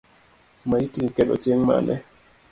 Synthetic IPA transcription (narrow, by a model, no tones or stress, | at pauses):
majitiŋkɛdɔ̰t͡ʃeŋma̰nɛ